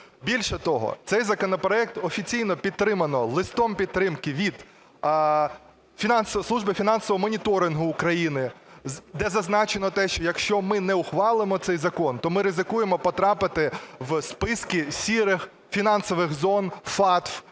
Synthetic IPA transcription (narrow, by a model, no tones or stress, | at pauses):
bʲilʲʃɛt̪ɔɦɔ̰t̪sɛjzɐkɔnɔpɾɔɛk̚t̪ɔfʲit͡sʲijnɔpʲid̪̚t̪ːɾɪmɐnɔlˠɪst̪ɔmpʲid̪̚t̪ɾɪmkɪʋʲid̪ | fʲinɑnsslˠuʒbɪfʲinɑnsɔʋɔɔmɔnʲit̪ɔɾɪnɦʊːkɾɐjinɪ | d̪ɛzɐznɑt͡ʃenɔt̪ɛʃt͡ʃɔjɐkʃt͡ʃɔmɪnɛʊxʋɑlˠɪmɔt̪sɛjzɐkɔnt̪ɔmɪɾɪzɪkujemɔpɔt̪ɾɑpɪt̪ɪʋspɪskʲisʲiɾɪx | fʲinɑnsɔʋɪxzɔnfɑt̪f